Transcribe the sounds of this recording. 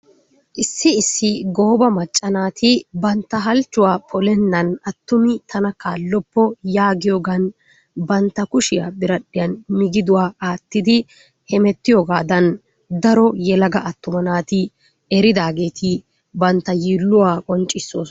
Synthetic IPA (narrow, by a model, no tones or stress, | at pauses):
ʔɪsːɪɪsːɪɡo̞ːbɐmɐt͡ʃʼːɐnaːt̪ʰɪbɐnt̪ːɐɦɐlt͡ʃːʊwaːpʰɔlɛnːɐnɐt̪ːʊmɪt̪ʰɐnɐkaːlːɔpːɔjaːɡɪjoːɡɐn | bɐnt̪ːɐkʊʃɪja̰ːbɪɾɐɗɪjɐnmɪɡɪd̪ʊwaːaːt̪ːɪd̪ɪ | hɛmɛt̪ːɪjoːɡaːd̪ɐn | d̪ɐɾɔjɛlɐɡɐʔɐt̪ːʊmɐnaːt̪ɪ | ɛɾɪd̪aːɡe̞ːt̪ʰɪ | bɐnt̪ːɐjiːlːʊwaːkʼɔnt͡ʃʼːɪsːoːs